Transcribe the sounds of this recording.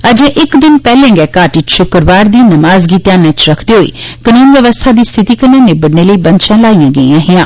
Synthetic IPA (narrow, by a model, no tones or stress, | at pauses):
əd͡ʒẽʔɪkd̪ɪnpɛːlẽːŋɡɛːkaːʈiʃʊkɾʋaːɾd̪iːnəmaːzɡiːt̪jaːnɛ̃t͡ʃɾəkʰd̪iːɦoḭːkənuːnʋjəʋəst̪ʰaːd̪iːst̪ʰɪt̪iːkənːãːneːbəɽneːləiːbə̃nt͡ʃʃãːlaːijãːɡəḭːãːɦɪjãː